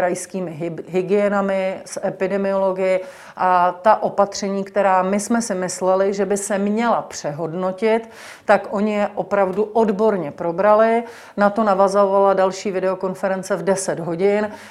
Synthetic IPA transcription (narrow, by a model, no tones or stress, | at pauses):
ɾajskiːmɪɦɪɡɪjɛnamɪsʔɛpɪdɛmɪo̞lo̞ɡɪjɪ | ʔat̪aʔo̞pat̪r̝̥ɛɲiːkt̪ɛɾaːmɪsmɛsɪmɪslɛlɪʒɛbɪsɛmɲɛlapr̥ɛɦo̞dno̞cɪt̪ː | akʔo̞ɲɪjɛʔo̞pɾavduʔodbo̞ɾɲɛpɾo̞bɾalɪ | nat̪o̞navazovaladalʃiːvɪdɛo̞ko̞nfɛɾɛnt͡sɛvdɛsɛd̪ɦo̞ɟɪn